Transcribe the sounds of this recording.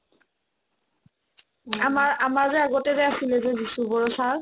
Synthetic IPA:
amaɹamazɛaɡɔtɛɹɛasilɛzɛzisubɔɹɔsaɹ

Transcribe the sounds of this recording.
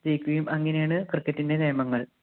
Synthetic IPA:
d͡ʑejkʲːuɐjumɐŋːɐnejaːɳɨkrɨkːɐtːinde̞neːmɐŋːɐɭ

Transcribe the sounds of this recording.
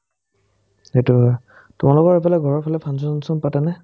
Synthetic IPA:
zetu | tʊmalʊkɔɹɛpʰalɛɡʱɔɹɔɹpʰalɛpʰansɔnsɔnpatɛnɛ

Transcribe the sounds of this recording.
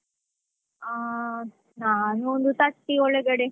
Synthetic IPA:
a | naːnuond̪ut̪ɐʈːiɔɭeɡɐɽe

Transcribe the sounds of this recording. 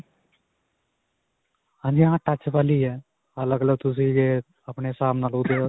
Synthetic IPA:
ãːd͡ʒiːãːʈət͡ʃpaːliːɛː | ələɡələɡ̚t̪ʊs̬ĩːd͡ʒeː | əpɳeːsaːmnaːlʊd̪e

